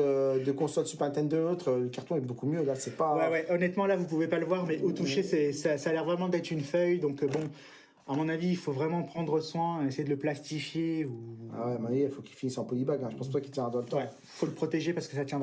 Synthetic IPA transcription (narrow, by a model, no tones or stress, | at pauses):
ød̪əkɔ̃sɔlsypʁɛ̃t̪ɛnd̪əlot̪χələkaʁt̪ɔ̃ɛbokumjølasɛpawɛwɛʔɔnɛt̪mɑ̃lavup̬uvepaləvwaʁmɛʔot̪uʃesɛsasalɛʁvʁɛmɑ̃d̪ɛt̪χynfœjd̪ɔ̃kbɔ̃ | amɔ̃naviːlfovʁɛmɑ̃pχɑ̃d̪ʁəswɛ̃esejed̪ələplast̪ifjeua̰wɛmɔ̃navjeilfokilfinisɑ̃pɔlibaɡɛ̃ʒəpɑ̃spuʁt̪wakilt̪jɛ̃ʁad̪ɑ̃lət̪ɑ̃ɛ | ifoləpχɔt̪eʒepaʁsə̥kəs̬at̪jɛ̃